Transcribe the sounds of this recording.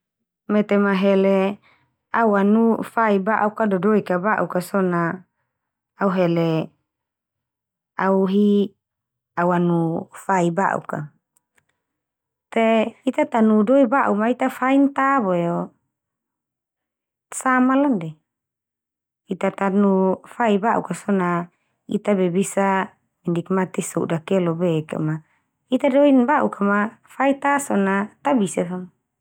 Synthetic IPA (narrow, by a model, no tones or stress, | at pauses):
met̪emaɦele | awanufaibaʔukadodoikabaʔukasona | uɦele | auɦi | awanufaiba̰ʔṵka̰ | t̪eit̪at̪anudoibaʔumait̪afaint̪aboeo | samalandɛ | it̪at̪anufaibaʔṵkasona | it̪abɛbisa | mindikmat̪isudakɛlobɛka̰ma | it̪adoinbaʔukʰamafait̪asonat̪abisafam